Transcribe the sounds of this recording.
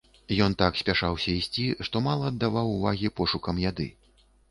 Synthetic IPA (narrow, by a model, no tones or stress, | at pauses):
jɔnt̪aksʲpʲaʂawsʲɐisʲt͡sʲiʂt̪ɔmalˠɐːd̪ːavawuvaɣʲipɔʂukɐmjad̪ɨ̰